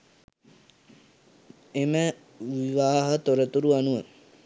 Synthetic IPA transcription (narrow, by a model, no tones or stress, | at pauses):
emə | ʋiʋaːɦət̪oɾət̪uɾuanuʋə